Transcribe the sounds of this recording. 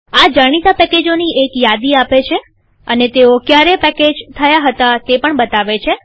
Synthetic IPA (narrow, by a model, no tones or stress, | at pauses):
ad͡ʒaɽ̃it̪apɛked͡ʒoniekjad̪iapet͡ʃʰe | ənet̪eokjaɾepɛked͡ʒt̪ʰəjaɦət̪at̪epəɳbət̪aʋet͡ʃʰe